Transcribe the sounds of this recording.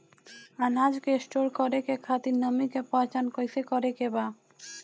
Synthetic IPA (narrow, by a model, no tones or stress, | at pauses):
anad͡ʑkesʈoɾkɔɾekekʰat̪inəmikepɔ̃t͡ʃankojsekɔɾekeba